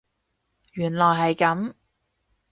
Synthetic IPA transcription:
jyː˨˩nlɔː˨˩jɦɐ˨jkɐ˨˥m

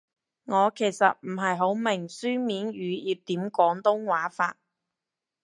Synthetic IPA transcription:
ŋɔː˨˧kʰe˨˩jsɐ˨t̚m̩˨˩ɦɐ˨jɦo˨˥wmɪ˨˩ŋsyː˥miː˨˥nɥyː˨˧jiː˨˧p̚t̪iː˨˥mkɔː˨˥ŋt̪ʊ˥ŋwaː˨˥faː˧t̚

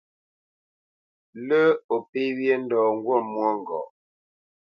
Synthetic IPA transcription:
lə˦o˨pe˦wjɛ˦n̩˦dɔː˨ŋ˦ɡwɔ˦˨mwɔ˦ŋ˨ɡɔ̰ː˨

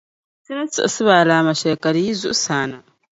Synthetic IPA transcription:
si˦ne˦t͡si˨ḛ˨si˦βa˨lama˨ʃeːka˨ɾi˦ji˦zṵ˦saːna˨

